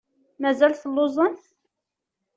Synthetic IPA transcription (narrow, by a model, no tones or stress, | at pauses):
mæzælθəlːozˤənθ